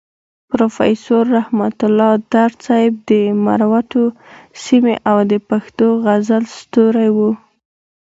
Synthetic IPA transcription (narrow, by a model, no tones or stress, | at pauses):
pɾofa̰jsoɾːahmat̪ʊlɑd̪̥aɾt͡sɑjɪb̚d̪əma̰ɾawaʈosimḛʔawd̪əpaxt̪oɣazalst̪oɾajwu